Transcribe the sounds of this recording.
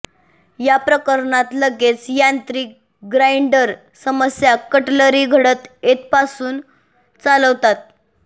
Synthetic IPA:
japɾəkəɾɳat̪ləɡet͡sjant̪ɾiːk̚ | ɡɾaiɳɖəɾ | səməsjakəʈləɾiɡʱəɽət̪et̪pasuːn | t͡saləʋt̪at̪̚

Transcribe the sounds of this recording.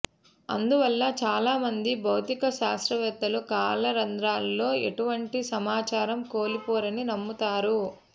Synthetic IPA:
ɐ̰nd̪uʋɐlːɐt͡ʃaːlaːmɐnd̪ibʱɐwt̪ikɐʃaːst̪ɾɐʋɛt̪ːɐlukaːlɐɾɐnd̪ɾaːlːo̞ːḛʈuʋɐɳʈisɐmaːt͡ʃaːɾɐmko̞ːlipoːɾɐninɐmːut̪aːɾu

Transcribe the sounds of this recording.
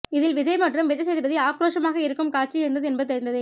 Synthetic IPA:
ɪðɪlʋɪðɐɪmaʈrɯmʋɪʈːɐs̬ɛjðɯpɐðiaːkɾoːʂɐmaːɣɐɪɾɯkːɯmkaːʈt͡ʃːiɪɾɯnd̪ɐðɯɛnbɐðɯt̪ɐɾɪnd̪ɐðɯ

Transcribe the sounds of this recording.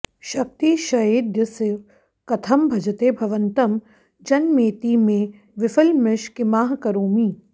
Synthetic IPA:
ʃɐk̚t̪iʃɐɦeːd̪jəsɪ | kɐt̪ʰɐmbʱɐd͡ʒɐt̪eːbʱɐʋɐnt̪ɐm | d͡ʒɐnmeːt̪iːmẽ | ʋɪfɐlmɪʃkɪmaːɦkɐɾoːmiː

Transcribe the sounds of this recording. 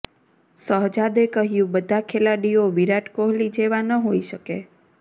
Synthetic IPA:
səɦd͡ʒad̪ekəɦjũbəd̪ʱakʰelaɽioʋiɾaʈkoɦlid͡ʒeʋanəɦoiʃəke

